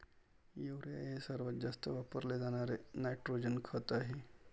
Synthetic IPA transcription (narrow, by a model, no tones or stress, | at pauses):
juːɾija̰jesɐɾʋət̪d͡ʒɐst̪əʋapəɾled͡ʒaːnaːɾenaɪʈɾoːd͡ʒənkʰɔːt̪aɦi